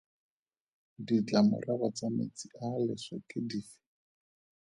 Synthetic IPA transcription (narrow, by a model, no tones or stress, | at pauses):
dit͡ɬamʊ̰rabat͡samḛt͡sialɪsakʼɪdiːfɪ̥